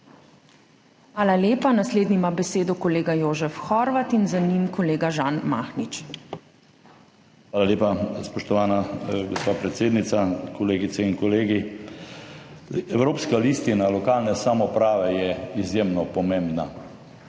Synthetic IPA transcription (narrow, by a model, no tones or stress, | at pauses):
xʋaːlaleːpanasleːd̪niimabɛseːd̪ɔkɔleːɡajoːʒɛfxɔɾʋat̪inzanimkɔleːɡaʒaːnmaːxnit͡ʃ | xʋaːlaleːpaspɔʃt̪ɔʋaːnaɡospaːpɾɛt̪seːd̪nit̪sakʰɔleːɡit̪sɛinkɔleːɡi | ɛwɾoːpskalist̪inalɔkaːlnɛsamɔpɾaːʋɛjɛizjeːmnɔpɔmẽmbna